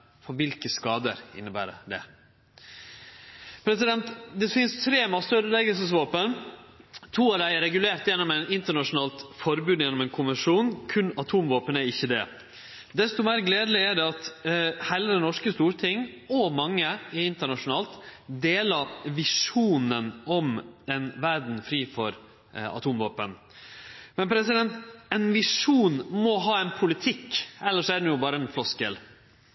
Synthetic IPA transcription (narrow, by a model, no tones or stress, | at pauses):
fɔɾʋɪlkəskɑːd̪ə̰ɾɪ̰nːəbæ̰ːɾəɖ̪ɛ̰ | pʰɾɛsɪd̪ɛnt̪d̪ɛfɪnst̪ʰɾeːmɑst̪øɾəlɛɡəlsəsʋoːpən | t̪ʰuːɑɾæɪɾɛɡʉleːɾt̪jɛnːɔmɛɪnɪnt̪əɳɑʂʊnɑːlt̪fɔɾbʉːd̪jɛnɔmɛɪnkʰʊmʋəʂuːnkʰʉnɑt̪ʰuːmʋoːpənæɾɪçːəd̪ɛ̰ | d̪ɛst̪ʊmeːɾɡleːd̪lɪæɖɛɑt̪hæɪləd̪ɛnɔʂkəst̪uːɾt̪ʰɪŋɔmɑŋːəɪɪnt̪əɳɑʂʊnɑːlt̪d̪eːləɾʋɪʂuːnənɔmɛnʋæɾɖɳ̩fɾiːfɔɾ | ɑ̰t̪ʰuːmʋoːpən | mɛnpʰɾɛsɪd̪ɛnt̪ɛnʋɪʂuːnmɔɦɑːɛnpʰʊlɪt̪ʰɪkːɛlːəʂɔæd̪ɛnjʊbɑːɾəɛnflɔskd̪ḛːl